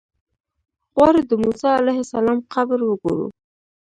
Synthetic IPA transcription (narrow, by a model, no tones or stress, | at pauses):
ɣwɑɾed̪əmusɑalajhasalɑmqabɾwəɡoɾṵ